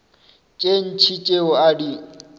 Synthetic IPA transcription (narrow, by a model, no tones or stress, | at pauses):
t͡ʃʼen̩t͡ʃʰit͡ʃʼeʊadi